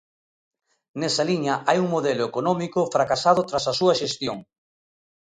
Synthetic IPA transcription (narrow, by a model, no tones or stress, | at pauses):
nɛsɐliɲɐʔajuŋmoðelʊekonɔmikʊfɾakasað̞ʊt̪ɾasɐsuɐʃest̪joŋ